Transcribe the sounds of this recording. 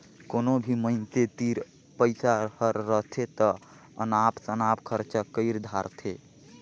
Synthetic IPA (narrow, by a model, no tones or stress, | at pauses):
konobʱiməɪnt̪et̪iɾ | pəɪsahəɾːəɦt̪ʰet̪ə | ənapsənapkʰəɾt͡ʃakəɪɾd̪ʱaɾt̪ʰe